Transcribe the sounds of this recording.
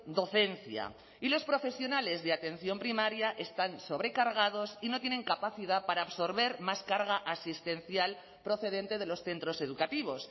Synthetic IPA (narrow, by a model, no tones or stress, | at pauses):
d̪o̞θe̞nθja̰ | ilo̞spɾo̞fe̞sjo̞nale̞zðeat̪ẽ̞n̟θjo̞mpɾimaɾjaʔe̞st̪anso̞βɾe̞kaɾɣað̞o̞sino̞t̪je̞ne̞ŋkapaθið̞apaɾaːβso̞ɾβe̞ɾmaskaɾɣaʔasist̪ẽ̞nθjal | pɾo̞θe̞ðe̞nt̪e̞ð̞e̞lo̞sθe̞nt̪ɾo̞se̞ð̞ukat̪iβ̞o̞s